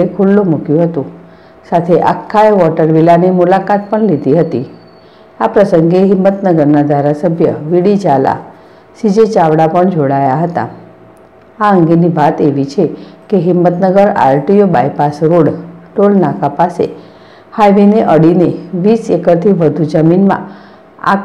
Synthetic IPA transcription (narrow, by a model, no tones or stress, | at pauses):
ekʰulːomukjũɦət̪ũ | sat̪ʰeʔa̰kʰːajʋɔʈəɾʋilanimulakat̪̚pəɳlid̪iɦət̪i | apɾəsəŋɡeɦɪmːət̪nəɡəɾnad̪ʱaɾasəbʱjəʋiɽid͡ʒala̰ | sid͡ʒet͡ʃaʋɽapəɳd͡ʒoɽajaɦət̪a̰ | aəŋɡeniʋat̪eʋit͡ʃʰekeɦɪmːət̪nəɡəɾa̰ɾʈijobajpasɾoɽʈolnakapasḛ | hajʋineʔəɽineʋisekəɾt̪ʰiʋəd̪ʱud͡ʒəminmã̰ | a̰